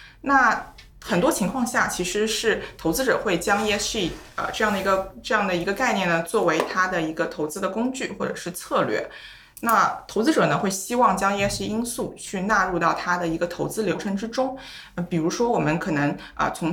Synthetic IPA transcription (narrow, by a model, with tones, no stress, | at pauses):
na˥˩ | xə˨˩nt̪wɔ˥t͡ɕʰi˧˥ŋkʰwɑ˥˧ŋɕja˥˩t͡ɕʰi˧˥ʂɻ̩˧˥ʂɻ̩˥˩t̪ʰo˧˥ʊt͡sɹ̩˥ʈ͡ʂɤ̰˨˩xwe˥˩ɪt͡ɕjɑ˥ŋjɛ˥ʂi˥˩ə̰˧ʈ͡ʂɤ˥˧jɑ˥˩ŋd̪ə˩i˧˥ɡə˧ʈ͡ʂɤ˥˧jɑ˥˩ŋd̪ə˩i˧˥ɡə˧ka˥˧ɪnjɛ˥˩nə˩t͡swɔ˥˩we˧˥ɪt̪ʰa˥d̪ə˨i˧˥ɡə˧t̪ʰo˧˥ʊt͡sɹ̩˥d̪ə˨kʊ˥ŋt͡ɕy˥˩xwɔ˥˩ʈ͡ʂɤ̰˨˩ʂɻ̩˥˧t͡sʰɤ˥˧lɥɛ̰˥˩ | na˥˩t̪ʰo˧˥ʊt͡sɹ̩˥ʈ͡ʂɤ˨˩nə˦xwe˥˩ɪɕi˥wɑ˥˩ŋt͡ɕjɑ˥ŋjɛ˥ʂi˥˧i˥ŋsu˥˩t͡ɕʰy˥˧na˥˧ɻu˥˧t̪ɑ˥˩ʊt̪ʰa˥d̪ə˨i˧˥ɡə˧t̪ʰo˧˥ʊt͡sɹ̩˥ljo˧˥ʊʈ͡ʂʰɤ˧˥ŋʈ͡ʂɻ̩˥ʈ͡ʂʊ˥ŋ˩ | pi˨˩ɻu˧˥ʂwɔ˥wɔ˨˩mə˧˦nkʰɤ˨˩nɤ˧˥ŋ | ə̰˧t͡sʰʊ˧˥ŋ